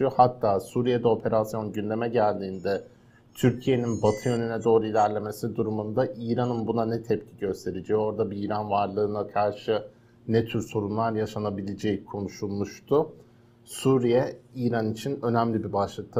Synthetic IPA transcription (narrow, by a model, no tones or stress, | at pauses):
uhat̪ʰːaːsuːɾijed̪ɛo̞pʰe̞ɾasjo̞nɟynd̪e̞mɛɟælʲd̪iːnd̪ɛ | t̪ʰyɾcʰije̞ninbat̪ʰɯjø̞nynɛd̪o̞ːɾuilʲæɾlʲe̞me̞sid̪uɾumund̪aʔiːɾanɯnbunanɛt̪ʰɛp̚cʰi̥ɟø̞st̪ʰe̞ɾed͡ʒɛo̞ɾd̪abiiːɾanvaɾlˠɯːnakʰaɾʃɯ | nɛt̪ʰyɾso̞ɾunlˠaɾjaʃanabilʲed͡ʒɛjkʰo̞nuʃulˠmuʃt̪ʰʊ | suːɾijɛiːɾanit͡ʃʰinø̞næmlʲibibaʃlˠɯk̚t̪ʰa